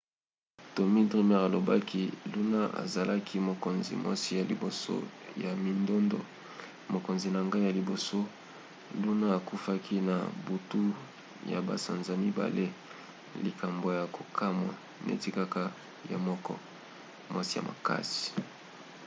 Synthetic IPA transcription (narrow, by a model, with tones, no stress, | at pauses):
to˨mi˦tʁi˦mɛ˦ʁa˨lo˨ba˦ki˦lu˦na˦a̰˨za˨lʔa˦kʰi˦mo˨ko˨nzḭ˨mwʔa̰˦si˦ja˨lḭ˨bo˨so̰˦ja˨mi˨ndo˦ndo̰˨ | mo˨ko˨nzi˨na˨ŋɡa˦ja˨li˨bo˨so˦ | lu˦na˦a˨ku˦fa˦kʰi˦na̰˨bu˨tu˦ | ja̰˨ba̰˨sa˨nza˨mi˦ba̰˨le˦ | li˨ka˨mbo˨ja˨ko˨kʰa˦ma̰˨ | nḛ˨ti˦ka˦ka˦ | ja̰˨mɔ˦kɔ̰˦ | mwa˦si˦ja̰˨mʔa̰˨ka̰˦si̥˨